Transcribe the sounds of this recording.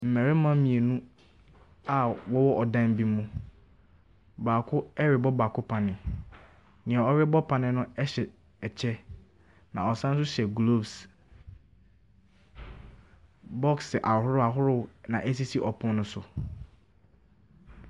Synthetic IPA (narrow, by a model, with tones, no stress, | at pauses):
m̩˨mɛ̃˨ɾɪ˦mã˦mĩ˨e˨nũ˦ | a˨wɔ˦wɔ˦ʔɔ˨dã˦m˦bi˦mũ˦ | baː˨kʰʊ˦ɛ˦ɹɪ˨bɔ˦baː˨kʰʊ˦pʰã˨nɪ̃˨ | nɪ̃˨a˨ɔ˦ɥɪ˦bɔ˦pʰã˨nɪ̃˦nʊ̃˦ɛ˦ɕɛ˨ | ɛ˨t͡ɕʰɛ˦ | nã̰˨ɔ˨sã˦ñ˦s̬ʊ˦ɕɛ˨ɡlo˦˨bs | bɔ˦ksʔa˨hʊ˦ɾʊ˦a˨ɦʊ˦ɾʊ˦˨nã˨ʔɛ˦s̬i˦si˦ʔɔ˨pʰʊ̃˦nʊ̃˦sʊ˨